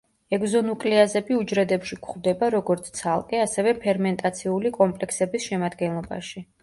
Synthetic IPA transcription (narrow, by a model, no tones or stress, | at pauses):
ɛɡzɔnukʼliazɛbiud͡ʒɾɛd̪ɛpʃikʰχd̪ɛbaɾɔɡɔɾt̪sʰt̪sʰalˠkʼɛasɛvɛpʰɛɾmɛnt̪ʼat̪sʰiulikʼɔmpʼlɛkʰsɛbisʃɛmad̪ɡɛnlˠɔba̰ʃi